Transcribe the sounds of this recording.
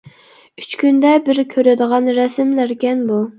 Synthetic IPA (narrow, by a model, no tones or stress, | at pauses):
yt͡ʃkʲynd̪ɛbɪɾkʲʰøɾɪd̪əʁɑnɾɛsɪmlæɾkʲɛnbu